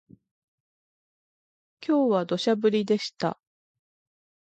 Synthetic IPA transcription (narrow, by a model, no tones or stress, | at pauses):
kʲo̞ːβad̪o̞ɕabɯ̟ɾʲid̪e̞ɕi̥t̪a̰